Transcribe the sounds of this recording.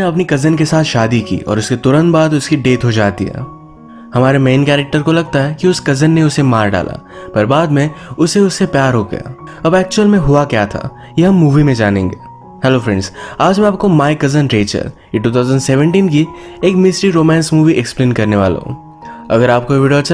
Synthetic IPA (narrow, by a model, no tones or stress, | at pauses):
neɐpnikɐzənkesaːt̪ʰʃaːd̪ikḭːɔ̰ːɾʊsket̪ʊɾə̃nt̪̚baːd̪ʊskiɖeːt̪ɦod͡ʒaːt̪ḭɦɛ̰ː | hɐmaːɾemeːnkɛːɾek̚ʈəɾkolɐɡ̚t̪aɦɛkiʊskɐzənːeʊsemaːɾɖa̰ːlʔa̰ | pɐɾbaːd̪mẽʊseʊsːepjaːɾɦoɡɐ̰ja̰ː | ɐbɛːk̚t͡ʃuəlmẽɦʊakjaːt̪ʰa̰ | jeɦɐ̃mːuːʋimẽd͡ʒaːnḛ̃ːŋɡeː | hɛloːfɾɛ̃ɳɖzaːd͡ʒmẽaːp̚komaːɪkɐzənɾeːt͡ʃə̰l | ʈuːt̪ʰaːzə̃ɳɖsɛːʋə̃ɳʈiːnki | eːkmɪsɾiɾoːmɛ̃ːnsmuːʋiʔɛksplẽːnkɐɾneʋa̰ːlḛɦõ̰ː | ɐ̰ɡəɾaːp̚koʋɪɖijot͡ʃ